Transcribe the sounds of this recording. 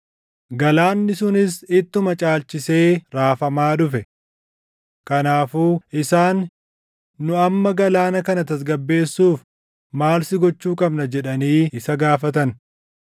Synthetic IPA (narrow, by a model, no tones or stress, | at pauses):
ɡɐlaːnːɪsʊnɪsɪt̪ːʊmɐt͡ʃʼaːlt͡ʃɪse̞ːɾaːfɐmaːᶑʊfɛ | kɐnaːfuːʔɪsaːnː | ʊɐmːɐɡɐlaːnɐkɐnɐt̪ɐs̬ɡɐbːe̞ːsːuːf | maːlsɪɡɔt͡ʃːuːkʼɐbnɐd͡ʒɛᶑɐniːɪsɐɡaːfɐt̪̬ɐn